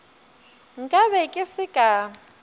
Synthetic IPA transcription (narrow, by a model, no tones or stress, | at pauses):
ŋ̩kʼaβɛkʼɪsɪkʼa